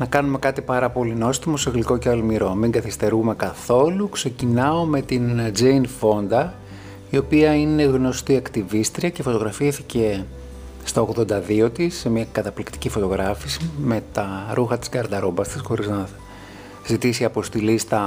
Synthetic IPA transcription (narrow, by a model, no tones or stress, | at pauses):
nɐkɐnume̞kɐt̪ipɐɾɐpo̞linost̪imuseɣliko̞ceɐlmiɾo̞miŋɡɐθist̪e̞ɾume̞kɐθo̞lukse̞cinɐo̞me̞t̪ind͡zeinfo̞nd̪ɐ | io̞piɐine̞ɣno̞st̪iɐkt̪ivist̪ɾiɐce̞fo̞t̪o̞ɣɾɐfiθice̞ | st̪ɐoɣðo̞nd̪ɐðio̞t̪isːemiɐkɐt̪ɐplikt̪i̥cifo̞t̪o̞ɣɾɐfisime̞t̪ɐɾuxɐt̪i̥sɡɐɾd̪ɐɾobɐst̪isxo̞ɾiznɐ | zit̪isiɐpo̞st̪ilist̪ɐ